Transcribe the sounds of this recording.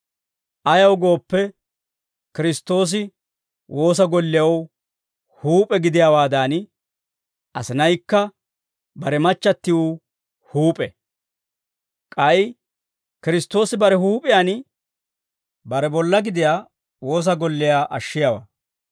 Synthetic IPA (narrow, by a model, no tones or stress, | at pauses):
ʔɐjɐwɡo̞ːpːɛ | kɪɾɪst̪ːo̞ːs̬ɪ | wo̞ːs̬ɐɡɔlːɪjɐw | huːpʼɛɡɪd̪ɪjawaːd̪aːn | ʔɐsɪnɐjkːɐ | bɐɾɛmɐt͡ʃːɐt̪ːɪwʊ | huːpʼɛ | kʼɐɪ | kɪɾɪst̪ːo̞ːsɪbɐɾɛɦuːpʼɪjaːn | bɐɾɛbɔlːɐɡɪd̪ɪjaː | wo̞ːs̬ɐɡɔlːɪjaːʔɐʃːɪjaːwa̰ː